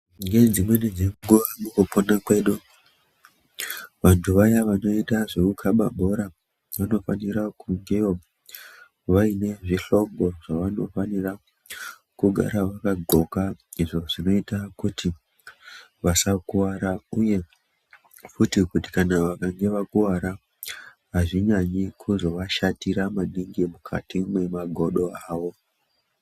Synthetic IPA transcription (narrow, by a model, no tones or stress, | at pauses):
ŋɡed͡zimwe̞ned͡ze̞ŋɡuʋamukuponakwe̞ɗu | ʋantʰuʋajaʋano̞itaʐe̞kukʰaɓa̰ɓʱo̞ɾa | ʋano̞faniɾakuŋɡewo | ʋaine̞ʐiɬo̞ŋɡo̞ʐaʋano̞̰fanira | kuɡʱa̰ɾaʋakaɡʱo̞kaiʐo̞ʐino̞itakuti | ʋasakuwaɾauje̞ | futikuti̥kanaʋakaŋɡe̞ʋakuwaɾa | ɦaʐiɲaɲikʰuzo̞ʋaʃatiɾamaniŋɡimukʰa̰timwe̞maɡʱo̞ɗo̞aːʋo̞